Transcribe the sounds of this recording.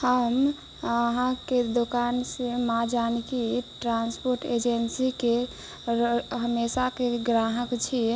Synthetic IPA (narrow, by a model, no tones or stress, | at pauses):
həm | əɦãked̪okansemad͡ʒanikiʈɾanspoɾʈed͡ʒensike | ɦəmesakeɡɾaɦəkt͡ʃʰi